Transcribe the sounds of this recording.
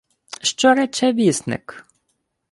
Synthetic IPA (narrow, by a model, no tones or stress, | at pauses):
ʃt͡ʃɔɾɛt͡ʃɛvisnɛ̰k